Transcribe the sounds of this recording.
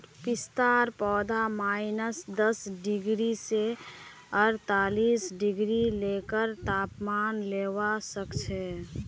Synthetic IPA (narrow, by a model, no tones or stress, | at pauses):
ɾpɪst̪aːɾpɔːd̪ʱamaːɪnəsd̪əsɖɪɡɾise | əɾt̪aːlisɖɪɡɾilekəɾt̪aːpmaːnleːwasəkt͡ʃʰɛ